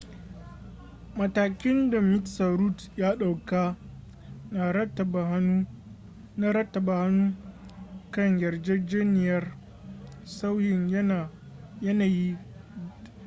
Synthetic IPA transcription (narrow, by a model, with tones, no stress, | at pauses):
mɐ˨taː˨kʲɪ˦nda˨mɪ˦tsa˨ɾu˦tjaː˦ɗa˨wka˦ | na˨ɾɐ˦tːɐ˨ba˨hnu˦ | na˦ɾɐ˦tːɐ˨ba˨ha˦nːuː˦ | kɐ˦ɲjɐ˨rd͡ʒe˦d͡ʒeː˦nɪ˨jɐ˦r | sa˦wjɪ˨ɲ˦˨ | jɐ˦naː˨ji˦